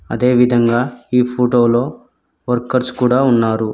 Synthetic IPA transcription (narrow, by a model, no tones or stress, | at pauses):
ɐ̰d̪e̞ːʋid̪ʱɐŋɡaːiːpʰoːʈoːlo̞ː | ʋɐɾkɐɾskuːɽaːunːaːɾu